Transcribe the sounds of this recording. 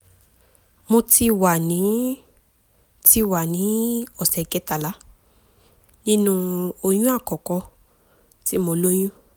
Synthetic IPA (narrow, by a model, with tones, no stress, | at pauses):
mo˧ti˧wa˨nĩ˨˦ | ti˧wa˨nĩ˨˦ɔ˨sɛ˨kɛ˨˦ta˨la˨˦ | nĩ˦nũ˧o˧j̃ũ˦a˦˨kɔ˨kɔ˧ | ti˦mo˧lo˦j̃ũ˦